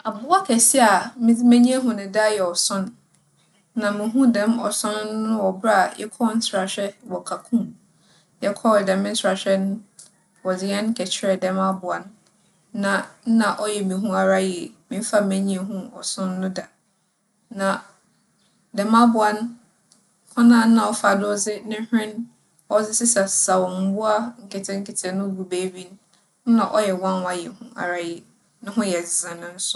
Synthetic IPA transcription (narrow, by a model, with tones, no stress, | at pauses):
a˨bʊ˦a˦kʰɛ˨sɪ˦a˨mĩ˦di˦mæ̃˦ɲĩ˦a˦ɦũ˦nʊ̃˨da˦jɛ˨ɔ˨sʊ̃˦nː | ã˨mɪ̃˨ɦũ˦dɛ̃˦mɔ̰˨sʊ̃˦n˦nʊ̃˦ɔ˨bɾa˦a˨jɛ̰˦kʰɔ˦n̩˦tʰɾa˨ɕᶣɛ˦wɔ˨kʰa˨kʰũ˦m | jɛ˦kʰɔ˦˨dɛ̃˨mɪ̃˦n̩˦sa˨ɕᶣɛ˦nʊ̃˦ | wɔ˨d͡zɪ˨jɛ̃˦nkʰɛ˨t͡ɕʰɪ˦ɾɛ˨dɛ̃˨mã˦bʊ˨a˦nː˦ | ã˨n̩˦nã˨ʔɔ˦jɛ˨mĩ˨ɦũ˦a˨ɾa˦jɛ˨mĩ˨˦m̩˦fa˦˨mæ̃˦ɲĩ˦a˨ɦũ˦ɔ̰˨sʊ̃˦n̩˦nʊ̃˦da˨ | nã˨ | dɛ˨mã˦bʊ˨a˦n | hʊ̃˦nã˦˨n̩˦nã˨ɔ˦fa˨dʊ˦ɔ˦d͡zɪ˦nɪ̃˦hᶣɪ̃˦n | ɔ˦zɪ˦sɪ˦sɛ˨sa˨wɔ˨m̩˨˦bʊ˦a˦ŋ̩˨kʰɛ˨tʰɛ˦ŋ̩˦kʰɛ˨tʰɛ˨nʊ̃˦bu˨be˦bi˦n˦ | nã˨ʔɔ˦jɛ˨wã˦n˦a˨jɛ˨hũ˦a̰˨ɾa˦jɪ˨ | nʊ̃˦ɦʊ̃˦jɛ˨zɪ̃˨nʊ̃˦n̩˦sʊ̥˦